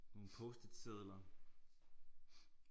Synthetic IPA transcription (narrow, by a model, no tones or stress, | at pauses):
no̝ːn̩pʰɔsd̥əd̥seðˠlɐ